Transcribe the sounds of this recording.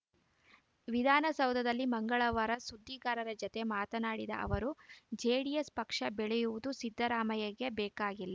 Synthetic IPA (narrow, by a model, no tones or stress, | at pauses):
ʋid̪ʱaːnɐsɐwd̪ʱɐd̪ɐlːimɐŋɡɐɭɐʋɐɾɐsud̪ʱːikaːɾɐɾɐd͡ʒɔt̪e̞maːt̪ɐnaːɽid̪ɐ̰ʔɐ̰ʋɐɾud͡ʒeːɽijespɐkʂɐbɛɭejuʋud̪usid̪ʱːɐɾaːmɐjɐɡebɛːkaːɡilːɐ